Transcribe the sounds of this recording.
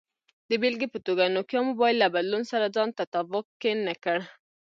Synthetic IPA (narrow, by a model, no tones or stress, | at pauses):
d̪əbelɡepət̪oɡanokjɑmobɑjllːabad̪lunsaɾad͡zɑnt̪at̪avʊkːkːenəkəɽ